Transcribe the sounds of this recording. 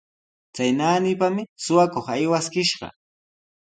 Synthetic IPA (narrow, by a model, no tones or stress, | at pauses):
t͡sajnaːnɪpamɪsʊwakoχajwaskɪʃɢɑ̰